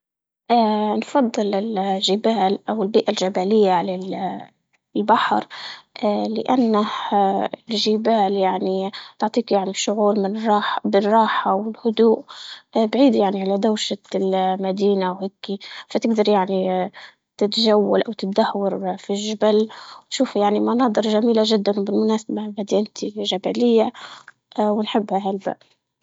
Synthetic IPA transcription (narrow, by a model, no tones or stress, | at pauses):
ʔaːnfɑd̪ˤːɨlɪlʒɪbaːlʔawɪlbiːʔalʒabaːlɪjːaʕalal | lbaħɾʔaːlɪ̰ʔanːah | lʒɪbaːljaʕnit̪ʊʕt̪ˤiːkjaʕniʃʊʕuːɾmɪnrˤɑːħbɪrˤɑːħawɪlhʊd̪uːʔbʕiːd̪jaʕniʕalad̪awʃalmad̪iːnawheːkifat̪ɪɡ̚d̪ɑɾˤjaʕni | t̪ɪt̪ʒawːalʔawt̪ɪt̪̚d̪ahwɑɾˤfiʒɪbalw̪ʃuːfjaʕnimanɑːd̪ˤɨɾʒamiːlaʒɪd̪ːanwbɪlmʊnaːsababad̪iːʔɪnt̪ʰiʒabalɪjːa | wɪnħɪbːhaɦalba̰ʔ